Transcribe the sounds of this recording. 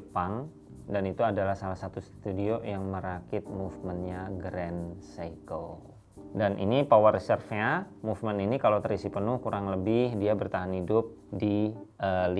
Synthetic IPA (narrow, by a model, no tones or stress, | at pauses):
paŋ | danit̪uadalahsalahsat̪ust̪udiojaŋməɾakɪt̪̚mufmənɲaɡɾɛnsaikəl | danʔḭnipawarsərfeamufməninikalawt̪əɾisipənʊhkuɾaŋləbɪhdiabərt̪aɦanidʊp̚diəli